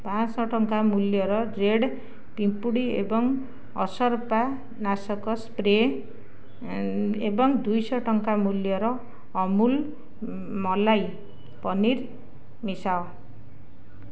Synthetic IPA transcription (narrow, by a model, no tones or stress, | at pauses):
pãt͡ssʌʈʌŋkamuljʌɾʌreɽ | pimpuɽiḛbʌŋ | ʌ̰sʌrpa | nasʌkʌspre | ebʌŋd̪ujsʌʈʌŋkamuljʌɾʌː | mul | mʌlaj | pʌnir | misaw